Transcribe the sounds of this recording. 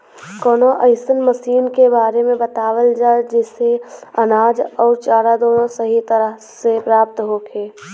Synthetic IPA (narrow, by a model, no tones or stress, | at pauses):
kɔːnoʔəɪsənməsiːnkebaːɾemẽbɐt̪aːwəld͡ʒaːed͡ʒɪseɐnaːd͡ʒɔːɾt͡ʃaːɾad̪oːnõsəɦit̪əɾəɦ | sepɾaːp̚t̪ɦoːkʰeː